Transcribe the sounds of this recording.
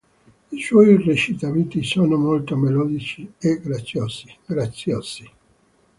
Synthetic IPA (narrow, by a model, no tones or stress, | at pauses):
iswɔjiret͡ʃit̪ament̪isoːnomolt̪omelɔːd̪it͡ʃieɡɾat̪sːjoːz̥i̥ɡ̥ɾat̪sːjoːz̥i